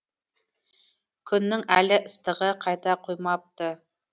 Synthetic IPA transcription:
kʲʰʏnːɪŋælɪʔɪst̪əʁəqʰɑjt̪ɑqʰojmɑp̚t̪ə

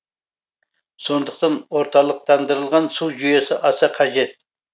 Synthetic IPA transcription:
so̞nd̪əqt̪ɑnwoɾt̪ɑlˠəq̚t̪ʰɑnd̪əɾəlˠʁɑnsuwʒyjesɪʔɑsɑqʰɑʒet̪̚

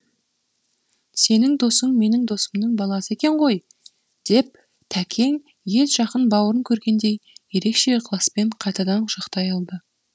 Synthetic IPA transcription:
se̞nɪŋd̪o̞səŋme̞nɪŋd̪o̞səmnəɴbɑlˠɑsəe̞kʲe̞ɴʁo̞j | d̪̥e̞p̚ | t̪ʰækʲʰe̞ŋ | je̞lʒɑqənbɑwəɾəŋkʲʰɵɾɡʲe̞nd̪e̞jje̞ɾe̞kʃe̞qʰəlˠɑspe̞ɴqʰɑjt̪ɑd̪ɑnʒəqt̪ɑjɑlˠd̪ə

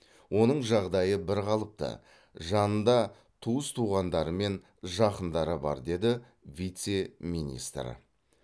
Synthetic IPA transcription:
wʔo̞nəɴʒɑʁd̪ɑjəbɪɾqɑlˠəp̚t̪ə̰ | ʒɑnənd̪ɑ | t̪ʰuəst̪ʰuʁɑnd̪ɑɾəme̞n | ʒɑqənd̪ɑɾəbɑ̰ɾd̪e̞d̪ɪ | vʲijt̪se̞mijnʲḭst̪ɾə̰

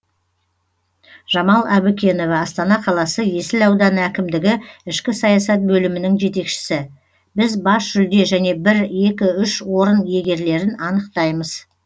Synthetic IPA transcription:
ʒ̥ɑmɑlˠæbukʲe̞no̞vɑːst̪ɑnɑqʰɑlˠɑsəje̞sɪlɑwd̪ɑnækʲɪmd̪ɪɡʲɪɪʃkʲɪsɑjɑsɑt̪̚bɵlɪmɪnɪŋʒe̞t̪e̞kʃɪ̥sɪ | bɪzbɑsʒ̥ʏld̪e̞ʒæne̞bɪɾje̞kʲɪʏʃwo̞ɾənje̞ɡʲe̞ɾle̞ɾɪnɑnəqt̪ɑjməz̥

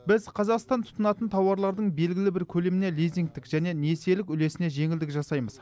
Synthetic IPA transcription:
bɪzqʰɑzɑqst̪ɑnt̪ʰʊ̥t̪ənɑt̪ənt̪ʰɑwɑɾlˠɑɾd̪əɴbe̞lɡʲɪlɪbɪɾkʲʰɵle̞mɪne̞lijziŋk̚t̪ɪkʒ̥æne̞ne̞se̞lɪkʲʏle̞sɪne̞ʒe̞ŋɪld̪ɪkʒɑsɑjməz̥

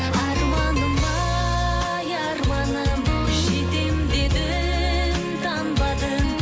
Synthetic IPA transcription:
ɑɾmɑnəmɑ | jɑɾmɑnəmʃet̪emd̪ed̪ɪ | nt̪ʰɑnbɑd̪ən

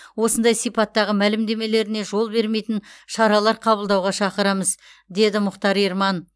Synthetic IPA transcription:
wo̞sənd̪ɑjsijpɑt̪ːɑʁəmælɪmd̪e̞me̞le̞ɾɪne̞ʒo̞lˠbe̞ɾmejt̪ɪnʃɑɾɑlˠɑɾqʰɑβəlˠd̪ɑwʁɑʃɑqəɾɑməzd̪e̞d̪ɪmʊχt̪ɑɾijɾmɑn

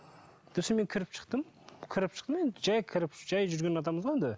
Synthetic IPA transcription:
d̪̥eseme̞ŋkʲʰɪɾɪpʃə̥q̚t̪əm | kʲʰɪɾɪpʃəqt̪me̞nd̪ɪd͡ʒɑjkʲʰɪɾɪpʒ̥ɑjʒʏɾɡʲenɑt̪ɑməzʁɑend̪ɪ

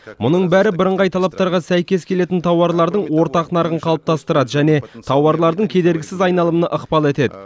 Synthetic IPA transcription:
mʊnəɴbæɾɪbɪɾəɴʁɑjt̪ʰɑlˠɑp̚t̪ɑɾʁɑsæjkʲe̞skʲʰele̞t̪ɪnt̪ʰɑwɑɾlˠɑɾd̪əɴwo̞ɾt̪ɑqnɑɾʁəɴqʰɑlˠəp̚t̪ʰɑst̪əɾɑd̪əʒæne̞t̪ʰɑwɑɾlˠɑɾd̪əŋkʲʰe̞d̪e̞ɾɡʲɪsɪzɑjnɑlˠəmənəʔəqpɑlˠe̞t̪e̞d̪ɪ

